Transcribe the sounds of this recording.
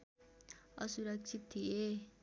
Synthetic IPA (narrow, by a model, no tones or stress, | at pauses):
ʌ̰suɾʌk̚t͡sʰit̪ʰːije